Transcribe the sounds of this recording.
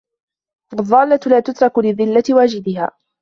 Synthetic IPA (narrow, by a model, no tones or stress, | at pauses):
wɑðˤːɑːlːalaːt̪ʊt̪ɾˤɑkʊlɪðɪlːat̪ɪwaːd͡ʒɪd̪ɪɦa̰ː